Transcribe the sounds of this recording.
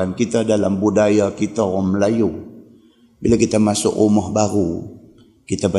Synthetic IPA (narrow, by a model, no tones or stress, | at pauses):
ankit̪adalambudajakit̪aɔməlaju | bilakit̪amasʊkumɔhbaɾu | kit̪aba